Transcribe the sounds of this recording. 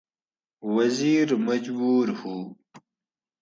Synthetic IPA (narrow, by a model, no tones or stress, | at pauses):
waziɾmad͡ʒbuɾhu